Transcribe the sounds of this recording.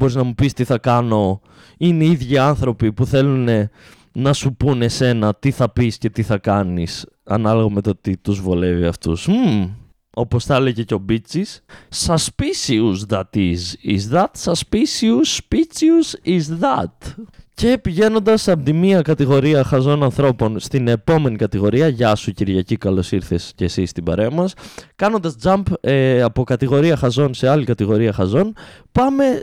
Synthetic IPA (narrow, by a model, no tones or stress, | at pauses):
bo̞ɾiznɐmupist̪iθɐkɐno̞ | ineiðʝiɐnθɾo̞pipuθe̞lune̞ | nɐsupune̞se̞nɐt̪iθɐpisce̞t̪iθɐkɐnis | ɐnɐlovɐmet̪ot̪it̪uzvole̞viɐft̪ṵs | o̞po̞sθɐle̞ʝe̞co̞bit͡sissɐspisiuzðɐt̪izḭzðɐt̪sɐspisiuspit͡siuzizðɐt̪ce̞piʝe̞no̞nd̪ɐsɐpot̪imiɐkɐt̪iɣo̞ɾiɐxɐzo̞nɐnθɾo̞po̞nst̪ine̞po̞me̞nikɐt̪iɣo̞ɾiɐʝɐsuciɾʝɐcikɐlo̞siɾθe̞sce̞sist̪ibɐ̰ɾeɐmɐskɐno̞nd̪ɐzd͡zɐmpeɐpo̞kɐt̪iɣo̞ɾiɐxɐzo̞nse̞ɐlikɐt̪iɣo̞ɾiɐxɐzo̞npɐme̞